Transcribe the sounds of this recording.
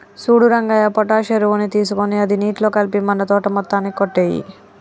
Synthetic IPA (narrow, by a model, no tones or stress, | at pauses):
suːɽuɾɐŋɡaːjɐpɔʈaːʃeɾuʋunit̪iːs̬ukoniɐd̪iniːʈlo̞ːkɐlpimɐnːɐt̪ɔːʈɐmɔt̪ːaːnːikoʈːeːjḭ